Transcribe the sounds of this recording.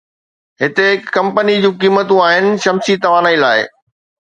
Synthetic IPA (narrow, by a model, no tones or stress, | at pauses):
ɦɪt̪ekɐ̃mpənid͡ʑũːkiːmːət̪ũaːɦɪnɪ̆ʃɐmsit̪ɐʋaːnailaːɪ